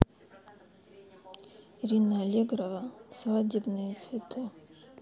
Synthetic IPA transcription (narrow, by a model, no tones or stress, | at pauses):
irinaːlʲeɡrovasvadʲibnɨjut͡sʰvʲitʰɨ